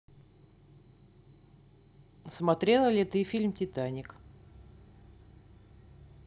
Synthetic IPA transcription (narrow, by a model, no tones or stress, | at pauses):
smɐt̪ɾʲe̞lˠəlʲɪt̪ɨfʲilʲmtʲɪt̪anʲɪk